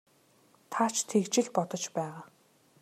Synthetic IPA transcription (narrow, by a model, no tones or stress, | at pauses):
t̪ʰat͡ɕʰt̪ʰekt͡ɕɪ̆ɮpɔt̪ɞ̆t͡ɕpæːʁaː